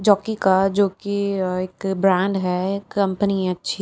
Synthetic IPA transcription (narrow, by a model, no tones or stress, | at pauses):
d͡ʒɔːkikad͡ʒoːkieːkbɾɛ̃ːɳɖɦɛkːɐ̃mpəniɛ̃ɐtːʃʰi